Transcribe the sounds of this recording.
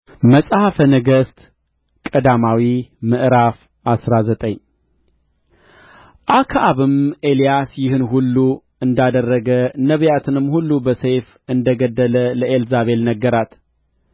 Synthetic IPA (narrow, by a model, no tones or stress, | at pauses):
məsʼhafənəɡəst̪ | kʼəd̪amawimɨʔɾaf | ʔasɾazət̪ʼəɲː | ʔakʰaʔaβɨmelijasjɪhɨnɦulːu | ɨnd̪ad̪ərːəɡənəβjat̪ʰɨnɨmhulːubəsef | ɨnd̪əɡəd̪ːələləʔelzaβe̞lnəɡːəɾat̪